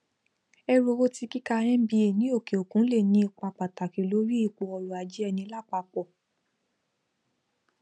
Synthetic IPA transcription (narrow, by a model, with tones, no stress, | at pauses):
ɛ˧ɾo˧o˦ti˧ki˦ka˧ɛ̃˦bi˧˦e˨nĩ˨˦o˦˨ke˨o˨kũ˨˦le˦˨nĩ˧˦i˧k͡pa˧k͡pa˨ta˨ki˨lo˨˦ɾi˦i˦˨k͡pɔ˧ɔ˧ɾɔ˨a˨d͡ʒi˦ɛ˧nĩ˧˦la˦˨k͡pa˧k͡pɔ˨